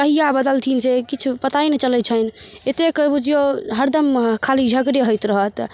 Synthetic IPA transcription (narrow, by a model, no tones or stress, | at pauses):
kəɦijabəd̪əlt̪ʰinsekit͡ʃʰupət̪ainet͡ʃələt͡ʃʰən | et̪ekəbud͡ʒijoɦəɾd̪əmkʰalid͡ʒʱəɡɾeɦojt̪ɾəɦət̪